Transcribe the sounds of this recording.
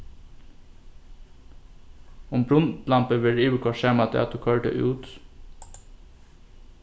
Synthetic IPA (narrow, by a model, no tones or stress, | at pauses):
ʊmbɾʊnt̪lɑmpəʋɪɖiːʋəkʰɔʃeːmɑt̪ʰḛːɑt̪̚d̪ʉːkʰøːʈə̰ʔʉːt̪